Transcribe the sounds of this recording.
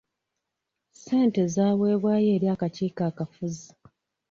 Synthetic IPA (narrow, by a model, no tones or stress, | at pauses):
se̞ːnte̞zaːβwe̞ːβwaːje̞ːɾjiaːkaciːkaːkafuzi